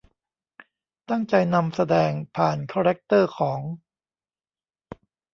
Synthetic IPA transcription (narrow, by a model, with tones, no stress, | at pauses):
t̪a˥˩ŋt͡ɕa˧jna˧msa˧dɛː˧ŋpʰaː˨˩nkʰaː˧ɾɛ˦˥k̚t̪ɤː˥˩kʰɔː˩˦ŋ